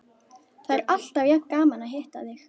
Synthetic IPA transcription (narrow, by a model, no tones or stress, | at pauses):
θaðɛɾal̥t̪avjakːaːmanaɦeht̪aðɪx